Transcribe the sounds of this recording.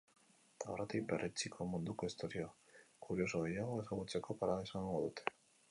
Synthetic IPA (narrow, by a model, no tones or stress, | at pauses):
t̪arat̪ik̚berʔet͡sikʰo̞mund̪uko̞ist̪o̞ɾioakuɾio̞soɣejaɣoe̞saɣut͡se̞ko̞paɾaesaŋɡoðut̪ʰe̥